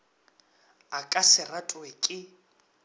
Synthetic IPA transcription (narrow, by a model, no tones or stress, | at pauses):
akʼasɪratʼʊɛkʼɪ